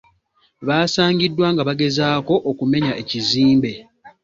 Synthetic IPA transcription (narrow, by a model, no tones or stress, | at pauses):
βaːsaːŋɡidːwaːŋɡaβaɡe̞zaːko̞ʔokume̞ɲaʔe̞ciziːmbe̞